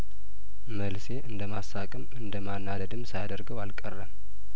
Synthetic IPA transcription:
məlse̞ʔɨnd̪əmasːakʼɨmɨnd̪əmanːad̪əd̪ɨmsajad̪əɾɡəwalkʼərːəm

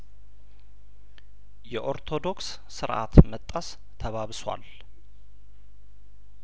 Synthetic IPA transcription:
jɛʔo̞ɾt̪ʰo̞d̪o̞ksːɨɾʔa̰t̪mət̪ʼːəs | t̪ʰəβaβswʷa̰l

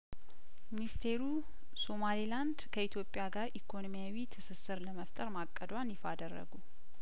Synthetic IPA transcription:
minist̪ʰe̞ɾu | so̞maliland̪kʰəit̪ʰjo̞pʼːjaɡaɾikʰo̞nomijawit̪ʰɨsɨsɨɾləməft̪ʼəɾmakʼːəd̪wanjɪfad̪ərːə̰ɡu

